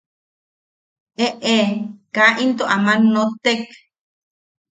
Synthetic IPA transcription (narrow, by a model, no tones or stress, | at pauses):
eʔekaʔint̪oʔamãnːot̪ek